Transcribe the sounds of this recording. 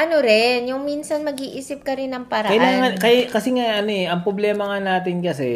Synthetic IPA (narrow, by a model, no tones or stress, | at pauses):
ʔɐnoɾɛnjʊŋminsɐnmɐɡiːʔiːsɪp̚kɐɾɪnːɐŋpɐɾakɐjlaːŋɐnkɐjakɐsɛŋaʔɐnoɛʔɐŋpɾoblɛːmɐŋanaːt̪ɪnkɐsɛ